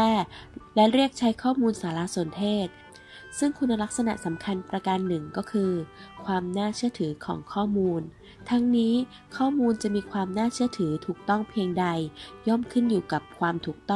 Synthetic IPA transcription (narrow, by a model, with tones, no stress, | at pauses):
ɛː˥˩lɛ˦˥ɾi˥˩ək̚t͡ɕʰa˦˥jkʰɔː˥˩muː˧nsaː˩˦laː˧˥so˨˩˦nt̪ʰeː˥˩t̪̚ | sɯ˥˩ŋkʰu˧nːa˧la˦˥k̚sa˧na̰˨˩ʔsa˩˦mkʰa˧npɾa˧ka˧nːɯ˨˩ŋkɔː˥˩kʰɯː˧kʰwaː˧mnaː˥˩t͡ɕʰɯ˥˩ət̪ʰɯː˩˦kʰɔ̰ː˩˦ŋkʰɔː˥˩muː˧n | t̪ʰa˦˥ŋniː˦˥ | kʰɔː˥˩muː˧nt͡ɕa˨˩miː˧kʰwaː˧mnaː˥˩t͡ɕʰɯ˥˩ət̪ʰɯː˩˦t̪ʰuː˨˩k̚t̪ɔ˥˩ŋpʰiː˧əŋda˧jjɔ˥˩mkʰɯ˥˩njuː˨˩ka˨˩p̚kʰwaː˧mt̪ʰuː˨˩k̚t̪ɔ˥˩